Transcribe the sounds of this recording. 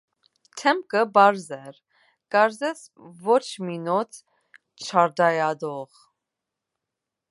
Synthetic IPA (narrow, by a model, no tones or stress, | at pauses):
t̪ʰɛmkəbɑɾzɛɾ | kɑɾzɛs | vɔt͡ʃʰminɔt̪ʰ | t͡ʃʰɑɾd̪ɑjɑd̪ɔʁ